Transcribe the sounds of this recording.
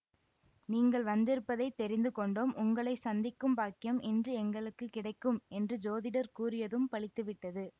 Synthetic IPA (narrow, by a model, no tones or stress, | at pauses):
niːŋɡɐɭʋɐnd̪ɪɾɯpːɐðɐɪt̪ːɛɾɪnd̪ɯkɔɳɖoːmʔʊŋɡɐɭɐɪsɐnd̪ɪkːɯmbaːkɪjɐmɛndrɯɛŋɡɐɭɯkːɯkːɪɽɐɪkːɯmɛndrɯd͡ʒoːðɪɽɐɾkuːɾɪjɐðɯmpɐɭɪt̪ːɯʋɪʈːɐðɯ